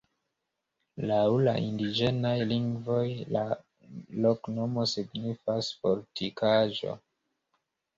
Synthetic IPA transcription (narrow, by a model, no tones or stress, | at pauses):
lawlaʔindid͡ʒenajliŋɡvo̞jla | lokno̞mo̞siɡnifasfoɾtikʰaʒo̞̰